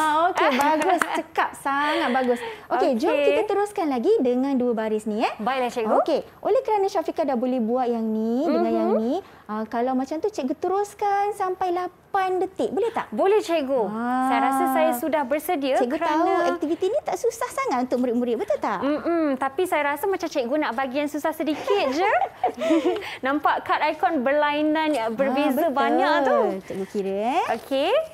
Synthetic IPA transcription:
aokebaɡʊst͡ʃəkap̚saŋat̪̚baɡʊsʔoked͡ʒamkiat̪əɾʊskanlaɡidəŋãnduəbaɾisnĩɛbaiʔlat͡ʃɛɡoke | ʔolɛhkəɾanaʃafikadabolɛhbuat̪̚jaŋnĩdəŋãnjaŋnĩ | əkalawmat͡ʃamt̪ut͡ʃɛk̚ɡot̪əɾʊskansampajlapandət̪ɪʔ̚bolɛht̪aʔbolɛht͡ʃɛʔɡosajaɾasasajasudahbərsədiəɛʔɡoɾaanaɛt̪ivit̪inĩt̪aʔsusahsaŋat̪unt̪ʊk̚mũɾɪʔ̚muɾɪʔ̚bət̪ut̪a̰ʔm̩m̩t̪apisajaɾasamat͡ʃamt͡ʃɛʔɡonaʔbaɡiansusahsədikɪt̪̚d͡ʒə | nãmpaʔkat̪ajkɔnbərlainãnjaʔbərbezbabaɲaʔ̪ut͡ʃɛʔɡokiɾəokʰe

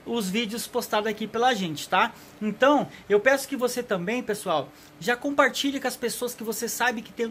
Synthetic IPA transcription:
ʊzvid͡ʒɪʊspost̪ad̪ʊakipelɐʒẽnt͡ʃɪ̥t̪a | ẽnt̪ɐ̃w̃ewpɛsʊ̥kɪvoset̪ɐ̃mbẽj̃pesuaw | ʒakõmpaɾt͡ʃiʎɐkõɐspesoɐskɪvosesabɪkɪ̥t̪ẽj̃

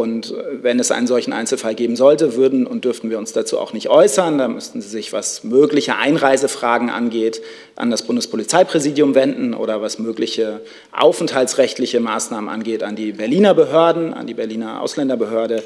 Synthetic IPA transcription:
ʊntvɛnɛsʔa̰ɪnənzɔlçn̩ʔa̰ɪnt͡sl̩falɡeːbm̩zɔltəvʏɐdn̩ʊntd̥ʏɐftn̩viːɐʊnsd̥at͡sṵːa̰ʊxnɪçtʔɔʏsɐndaːmʏstn̩ziːzɪçv̥a̰smøːklɪçəʔa̰ɪnʁaɪzəfʁ̥aːɡŋ̩ʔa̰nɡeːt | ʔa̰ndasb̥ʊndəspʰolit͡saɪpʁ̥ɛziːdjʊmvɛndn̩ʔo̰ːɾɐvasmøːklɪçə | ʔa̰ʊfn̩thalt͡ssʁɛçtlɪçəmaːsnaːmənʔa̰nɡeːta̰ndiːbɛɐliːnɐbəɦøːɐdn̩a̰ndiːbɛɐliːnɐʔa̰ʊslɛndɐbəɦøːɐɾə

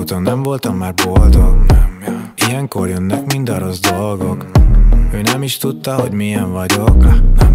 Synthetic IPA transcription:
ut̪onːɛɱvo̞lt̪ɒmːaːrbold̪oɡ | ijɛŋkorjønːɛkmind̪ɒɾozd̪olɡo̞k | øːnɛmiʃt̪ut̪ːɒɦoɟmijɛɱvɒɟoknɛm

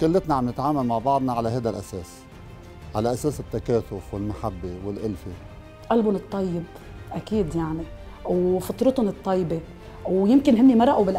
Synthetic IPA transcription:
kɪlːɪt̪naʕamnɪt̪ʕaːmalmaʕbɑʕd̪ˤnɑʕalaɦajd̪alʔaseːs | ʕalaʔaseːsɪt̪ːakaːθʊfwɪlmaħabːewɪlʔɪlfe | ʔalbʊnɨt̪ˤːɑjːɪb | ʔakiːd̪jaʕni | wfɑt̪ˤɾɨt̪ʊnɨt̪ˤːɑjːbe | wjɪmkɪnɦɪnːimɑɾˤɑʔabɪlʔ

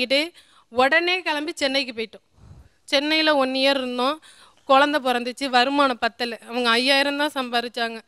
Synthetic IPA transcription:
ɪʈːɯ | ɔɽɐneːkɐɭɐmbit͡ʃɛnːɐɪk̬ːɯpoːjɪʈːʊ̃ | t͡ʃɛnːɐjɪlɐɔnːɪjaːɾɪɾɯnd̪õː | kɔɻɐnd̪ɐp̬ɔɾɐnd̪ɯt͡ʃːɯʋɐɾɯmaːnɐpɐt̪ːɐlɐːʋɐŋɡɐːjːaːjɪɾɐmd̪ãːsɐmbaːɾɪt͡ʃːaːŋɡɐ

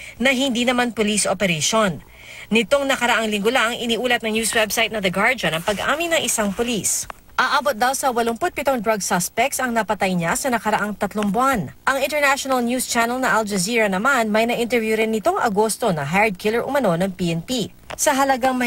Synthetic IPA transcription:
nɐɦɪnd̪iːnɐmanpolisʔopɛɾɛʃonː | ɪt̪o̞ŋnɐkɐɾɐʔaŋlɪŋɡʊlaʔɐŋʔɪniːʔuːlɐt̪nɐŋnjuːswɛbsajt̪nɐd̪ɐɡaɹd͡ʒonɐŋpɐɡʔa̰ːmɪnːɐŋʔɪsaŋpolis | ʔaːʔaːbot̪̚d̪awsɐwɐloŋpʊt̪̚pɪt̪oŋd̪ɾɐɡ̚sɐspɛk̚t̪sɐŋnɐpɐt̪ajɲasɐnɐkɐɾɐʔaŋt̪ɐt̪loŋbʊanʔɐŋɪnt̪ɛɹnaʃonɐlnjust͡ʃanɛlnɐʔald͡ʒɐziːɹɐnɐmanmɐjnɐʔɪnt̪ɛɹvjuɾɪnːɪt̪o̞ŋʔɐ̰ɡo̞st̪o̞nɐɦaɹd̪̚kʰɪlɛɹʔʊ̰mɐno̞nɐŋpiʔɛnpi | sɐɦɐlɐɡaŋmɐ

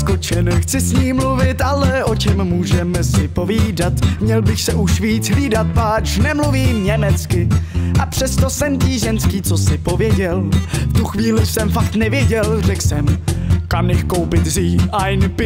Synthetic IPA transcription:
skot͡ʃɛnxt͡sɪsɲiːmluvɪt̪ʔalɛʔo̞t͡ʃɛmːuːʒɛmɛsɪpo̞viːdat̪mɲɛlbɪxsɛʔuʃviːt͡sɦliːdat̪̚paːt͡ʃnɛmluviːmɲɛmɛt͡skɪʔapr̝̥ɛst̪o̞sɛmciːʒɛnskiːt͡so̞sɪpo̞vjɛɟɛlft̪uxviːlɪsɛmfakt̪nɛvjɛɟɛlr̝ɛksɛmkamɲɛxko̞wpɪt̪ziːajnpɪ

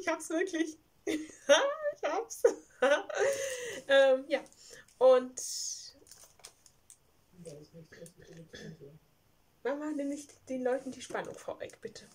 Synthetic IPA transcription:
ɪçhaːbsv̥ɪɐkʰlɪç | aɪçhaːbəs | ʔɛːmjaː | ʔʊnt | vaχmaːnɛmɪçd̥eːnlɔʏtn̩diːʃpanʊ̰ŋfoːɐvɛ̰çb̥ɪtʰə

